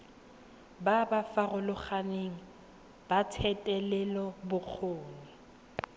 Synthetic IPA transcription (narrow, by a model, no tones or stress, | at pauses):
babafarʊlʊχaneŋ̩ | b̥atʰɛtʼɛlɛlɔbʊk͡xʰoːŋi